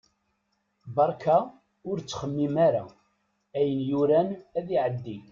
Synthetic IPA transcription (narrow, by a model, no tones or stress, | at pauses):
bɑɾˤkʰa | ʊɾt͡sːχəmːimaɾa̰ | æjənjʊɾænæðiʕəd̪ːi